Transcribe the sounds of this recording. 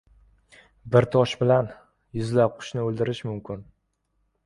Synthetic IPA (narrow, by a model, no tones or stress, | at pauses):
bɪɾt̪ʰɒʃbɪlan | jʊzlap̚qʰʊ̥ʃnɪold̪ɪɾɪʃmʊmkʲɪn